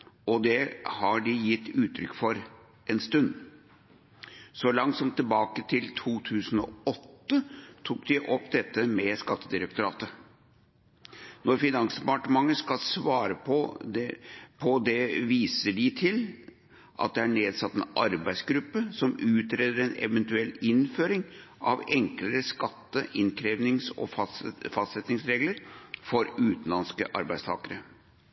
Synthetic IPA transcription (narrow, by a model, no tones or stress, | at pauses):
ɔd̪ɛhɑɖɪjɪt̪ːʉːt̪ʰɾʏkːfɔɾ | ɛnst̪ʉnd̪ | sɔlɑŋt̪sɔmt̪ʰːɪlbɑːkət̪ʰɪlt̪ʰuːt̪ʰʉːsən̩ɔ̰ɔt̪ːət̪ʰuːkd̪ɪʔɔpːd̪ɛt̪ːəmɛskɑt̪ːəd̪ɪɾək̚t̪ʊɾɑːt̪ə | nɔɾfɪnɑŋsd̪ɛpɑʈəmɑŋːəskɑlsʋɑːɾəpʰɔ | pʰɔd̪ɛʋiːsəɖɪt̪ʰɪl | ʔɑ̰t̪̚d̪ɛæɳeːd̪sɑt̪ːɛnɑɾbæɪsɡɾʉpːəsɔmʉːt̪ɾeːd̪əɾɛnɛ̰ʋɛnt̪ʉɛlːɪnføːɾɪŋʔɑ̰ʋɛŋkləɾəskɑt̪ːəʔɪnkʰɾeːʋnɪŋsɔ̰ffɑst̪sɛt̪nɪŋsɾeːɡləɾfɔɾʉːt̪n̩lɑnskə̰ʔɑ̰ɾbæɪst̪ʰɑ̰ːkəɾə